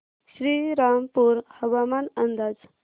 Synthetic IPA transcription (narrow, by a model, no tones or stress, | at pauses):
ɕɾiɾampuɾhəʋamaːnənd̪aːd͡z